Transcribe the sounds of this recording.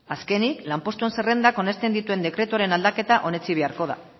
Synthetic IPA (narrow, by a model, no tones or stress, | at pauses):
aske̞niklampo̞st̪ue̞nse̞re̞nd̪ako̞ne̞st̪e̞nd̪it̪ue̞nd̪e̞kɾe̞t̪uaɾe̞nald̪ake̞t̪aʔo̞ne̞t͡siβ̞e̞aɾko̞ð̞a̰